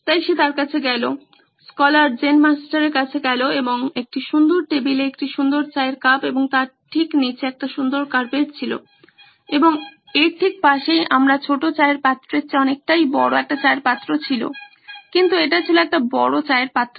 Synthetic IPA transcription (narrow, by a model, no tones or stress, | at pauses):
t̪ajʃet̪aɾkat͡ɕʰeɡɛlo | skɔlaɾd͡ʑenmasʈaɾeɾkat͡ɕʰeɡɛloeboŋek̚ʈiʃund̪oɾʈebileek̚ʈiʃund̪oɾt͡ɕaeɾkapeboŋt̪aɾʈʰiknit͡ɕeɛk̚ʈaʃund̪oɾkaɾpeʈt͡ɕʰilo̰ | eboŋ | eɾʈʰik̚paʃejʔamɾat͡ɕʰoʈot͡ɕaeɾpat̪ːɾeɾt͡ɕeɔnek̚ʈajbɔɽoɛk̚ʈat͡ɕaeɾpat̪ːɾot͡ɕʰilo̰ | kint̪ueʈat͡ɕʰiloɛk̚ʈabɔɽot͡ɕaeɾpat̪ːɾo